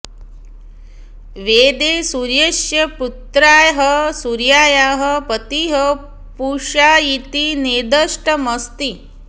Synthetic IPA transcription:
ʋeːd̪eːsuɾjɐʃjɐput̪ɾaːjɦɐsuɾjaːjaːɦɐpɐt̪iɦɐ | puːʃaːit̪ineːd̪əʂʈɐmɐst̪i

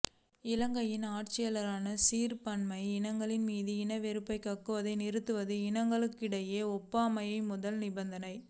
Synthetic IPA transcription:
ɪlɐŋɡɐjɪnaːʈ̚t͡ʃɪjɐlɐɾaːnɐsiːɾpɐɳmɐɪɪnɐŋɡɐɭɪnmiːðɯɪnɐʋɛɾɯpːɐɪkɐkːɯʋɐðɐɪnɪɾɯt̪ːɯʋɐðɯɪnɐŋɡɐɭɯkːɪɽɐjeːɔpːaːmɐjɐɪmʊðɐlnɪbɐnd̪ɐnɐɪ

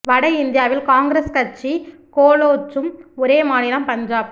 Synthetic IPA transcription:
ʋɐɽɐɪɪnd̪ɪjaːʋɪlkaːŋɡɾeskɐt͡ʃːikoːloːt͡ʃːɯmɔɾeːmaːnɪlɐmpɐɲd͡ʒaːp

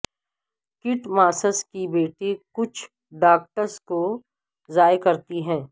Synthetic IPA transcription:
kɪʈmaːsəskibeːʈekʊt͡ʃʰ | ɖaːk̚ʈəɾsko | zaːjkɐɾt̪iɦɛ̃ː

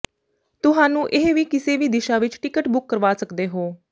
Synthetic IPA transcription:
t̪ʊɦaːnũːʔeɦʋiːkɪseːʋiːd̪ɪʃaːʋɪt͡ʃʈɪkəʈbʊkːəɾʋaːsəkd̪eːɦoː

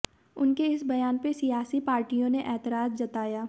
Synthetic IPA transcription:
ʊnkeɪsbɐjaːnpesijaːsipaːɾʈijõneʔɛːt̪ɪɾaːzd͡ʒɐt̪aːjaː

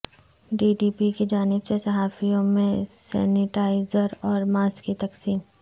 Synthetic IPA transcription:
ɖiːɖiːpikid͡ʒaːnɪbsesɐɦaːfijõmẽsɛ̰ːnɪʈaːɪzəɾɔːɾmaːskit̪ɐksiːn

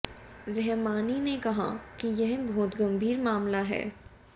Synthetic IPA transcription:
ɾɛɦmaːninekɐɦa̰kijɛɦbʱoːt̪ɡɐ̃mbʱiːɾmaːmlaɦɛ̰ː

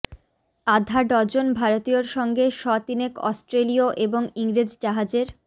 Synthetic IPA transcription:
ad̪ʱaɖɔɾd͡ʑonbʱaɾot̪ioɾʃɔŋɡeʃɔt̪inekɔ̰sʈɾelioʔeboŋiŋɾid͡ʑd͡ʑaɦad͡ʑeɾ

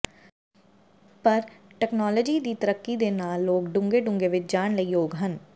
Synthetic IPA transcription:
pəɾʈɛːknɔːləd͡ʒiːd̪iːt̪əɾəkːid̪eːnaːlːoːɡɖʊ̃ŋɡeɖʊ̃ŋɡeʋɪt͡ʃd͡ʒaːɳ̃ləiɦoːɡɦən

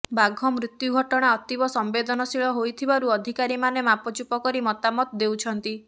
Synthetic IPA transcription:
baɡʱɔmɾit̪juɡʱɔʈɔɽ̃aɔt̪ibɔsɔmbed̪ɔnɔsiɭɔɦojt̪ʰibaɾuɔd̪ʱikaɾimanemapɔt͡ʃupɔkɔɾimɔt̪amɔt̪ɔd̪ewt͡ʃʰɔnt̪i

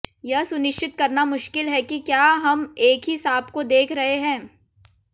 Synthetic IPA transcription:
jɐɦsʊnɪʃt͡ʃɪt̪̚kɐɾnamʊʃkɪlɦɛkikjaːɦɐmeːkɦisaːbkod̪eːkʰɾɐɦeɦɛ̃ː

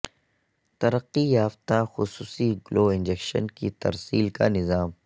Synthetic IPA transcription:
t̪ɐɾəqːijaːft̪axʊsuːsiɡloːɪ̃nd͡ʒekʃə̰nkit̪ɐ̰ɾsiːlka̰nɪzaːm

